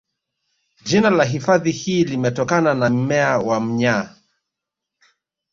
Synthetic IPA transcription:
d͡ʒinalaɦifaðihiːlimɛtɔkananam̩mɛawam̩ɲa

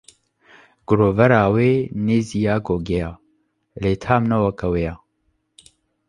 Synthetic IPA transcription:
ɡ̥ʊɾoːvɛɾaːweːneːzijaːɡoːɡɛjaː | leːt̪ʰaːmnɐwɐkɐwejaː

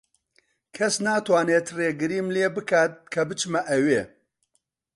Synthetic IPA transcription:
kʰɐsnaːt̪ʰwaːneːt̪reːɡɨɾiːmleːbɨkʰaːt̪̚kʰɐbɨt͡ʃmɐʔɐweː

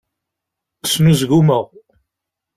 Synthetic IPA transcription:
smizɡuməʁ

